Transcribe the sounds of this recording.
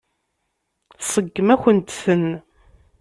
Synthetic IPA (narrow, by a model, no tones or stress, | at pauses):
sˤəɡːəmæçʷənt̪θən